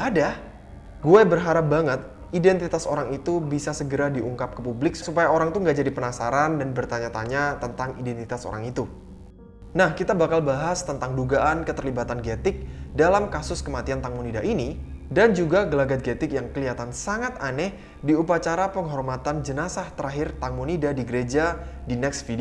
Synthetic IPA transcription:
ada | ɡuɛbərɦaɾap̚baŋət̪̚ | idɛnt̪it̪asoɾaŋit̪ubisasəɡəɾadiʔuŋkap̚kəpublɪk̚susupajaoɾaŋt̪uŋɡaʔd͡ʒadipənasaɾandanbərt̪aɲat̪aɲat̪ənt̪aŋidɛnt̪it̪aso̰ɾa̰ŋit̪u | nahkit̪abakalbaɦast̪ənt̪aŋduɡaʔankət̪ərlibat̪anɡɛt̪ɪk̚dalamkasʊskəmat̪iant̪aŋmunidaʔini | dand͡ʒuɡaɡəlaɡat̪̚ɡet̪ɪkjaŋkəliat̪ansaŋat̪anɛh | diupat͡ʃaɾapəŋɦɔrmat̪and͡ʒənasaht̪əɾaɦɪrt̪aŋmunidadiɡəɾed͡ʒadinɛksfid

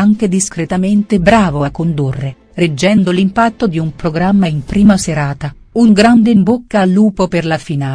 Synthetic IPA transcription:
aŋk̟ed̪iskɾet̪ament̪ebɾaːvoakːond̪urːe | red͡ʒːɛnd̪olimpat̪ːod̪iumpɾoɡɾamːaimpɾiːmaseɾaːt̪a | uŋɡɾand̪eimbokːaːlːuːpoperlafinaː

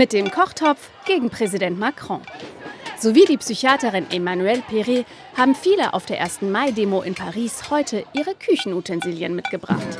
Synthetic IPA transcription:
mɪt̚d̥eːmkʰɔχtʰɔpp͡f | ɡ̥eːɡŋ̩pʁ̥ɛzidɛntmakʁ̥ɔ̰̃ | z̥oviːdiːpsyçaːtəʁɪnʔemanuɛlpʰeʁe | haːbm̩fiːləʔa̰ʊfd̥eːɐʔeːɐstn̩maɪdeːmoʔɪnpʰaʁiːshɔʏtʰəʔiːʁəkʰʏçn̩utʰɛnziːljənmɪtɡ̥əbʁa̰χt

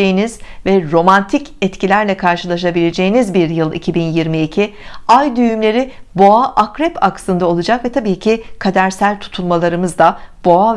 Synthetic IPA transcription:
ejiniz̥vɛɾo̞mant̪ʰicɛt̪cʰilʲæɾlʲɛkʰaɾʃɯlˠaʃabilʲe̞d͡ʒe̞jinizbiɾjɯlˠḭcʰibinjiɾmiːcʰiajd̪yjymlʲe̞ɾɪbo̞aʔakɾɛpʰaksɯnd̪ao̞lˠud͡ʒakvɛt̪ʰabiːcʰɪkʰad̪æɾsælʲt̪ʰu̥t̪ʰulˠmalˠaɾɯmɯzd̪ab̥o̞a

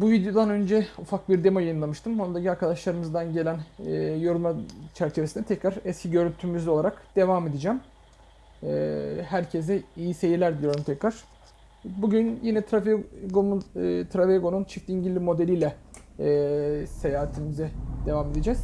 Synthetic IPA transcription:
buvid̪jo̞d̪anø̞nd͡ʒɛufak̚biɾd̪emojajɯnlˠamɯʃt̪ʰɯmo̞nud̪acʰiaɾkʰad̪aʃlˠaɾɯmɯzd̪anɟe̞lʲænːjo̞ɾunmat͡ʃʰæɾt͡ʃʰe̞vesinɛt̪ʰɛcɾaɾɛscʰiɟø̞ɾynt̪ʰymyzo̞lˠaɾakd̪̥e̞vaːme̞d̪id͡ʒæm | ɛːhæɾcʰezd̪ɛijise̞jilʲæɾd̪ijo̞ɾumt̪ʰɛcɾaɾ̥ | buɟynjinɛt̪ʰɾaɡot̪ʰɾaveɡo̞nunt͡ʃʰift̪ʲiɲɟilʲːimo̞d̪ɛlʲijlʲɛː | se̞jaːɦat̪ʰimizɛd̪e̞vaːme̞d̪id͡ʒɛz̥

